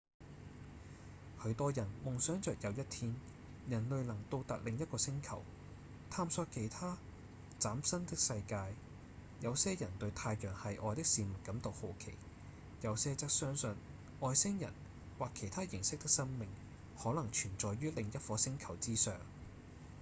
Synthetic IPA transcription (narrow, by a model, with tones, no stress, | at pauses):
hɵ˨˧ɥt̪ɔː˥jɐ˨˩nmʊ˨ŋsœː˨˥ŋt͡sœː˨k̚jɐ˨˧wjɐ˥t̪ʰiː˥n | jɐ˨˩nlɵ˨ɥlɐ˨˩ŋt̪o˧wt̪ɐ˨k̚lɪ˨ŋjɐ˥t̚kɔː˧sɪ˥ŋkʰɐ˨˩w | t̪ʰaː˧msɔː˧kʰe˨˩jt̪ʰaː˥ | t͡saː˨˥msɐ˥nt̪ɪ˥k̚sɐ˧jkaː˧j | jɐ˨˧wsɛː˥jɐ˨˩nt̪ɵ˧ɥt̪ʰaː˧jjœː˨˩ŋhɐ˨jʔɔː˨˧jt̪ɪ˥k̚siː˧mʊ˨˩t̚kːɐ˨˥mt̪o˨who˨˧wkʰḛ˨˩j | jɐ˨wsɛː˥t͡sɐ˥k̚sœː˥ŋsɵ˨n | ʔɔː˨˧jsɪ˥ŋjɐ̰˨˩n | waː˨˩kʰːe˨˩jt̪ʰaː˥jɪ˨˩ŋsɪ˥k̚t̪ɪ˥k̚sɐ˥ŋmɪ˨ŋ | hɔː˨˥lɐ˨˩ŋt͡ʃʰyː˨˩nt͡sɔː˨jɥyː˥lɪ˨ŋjɐ˥t̚fɔː˨˧sɪ˥ŋkʰɐ˨˩wt͡siː˥sœː˨ŋ